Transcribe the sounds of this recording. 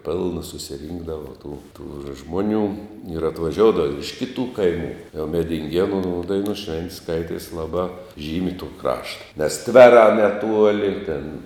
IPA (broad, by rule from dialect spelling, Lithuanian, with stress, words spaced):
ˈpʲɪlˠnɐ sʊsʲɪˈrʲiːŋɡdɐʋɐ tuː tuː ˈʒmoːˈnʲuː ɪr ɐtʋɐˈʒʲoːʊdɐʋoː ɪr ɪʃ ˈkʲɪtuː ˈkɐɪmuː jɛʊ mʲɛdʲɪŋʲˈɡʲiɛnuː ˈdɐɪnuː ˈʃʲʋʲɛnʲtʲ ˈskɐɪtʲiɛs ˈlˠɑːbɑː ˈʒʲiːmʲɪ tuː ˈkrɑːʃtɐ nʲɛs ˈtʲʋʲæːrɑː nʲɛˈtuɔlʲɪ ɪr tʲeːn